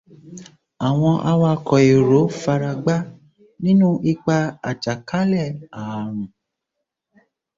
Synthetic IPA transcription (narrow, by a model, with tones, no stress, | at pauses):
a˨w̃ɔ̃˧ʔa˧wa˧kɔ˨e˨ɾo˨˦fa˧ɾa˧ɡ͡ba˦ | nĩ˦nũ˦ʔi˧k͡pa˧a˨t͡ʃa˨ka˨˦lɛ˦˨a˨˧ɾ̃ũ˨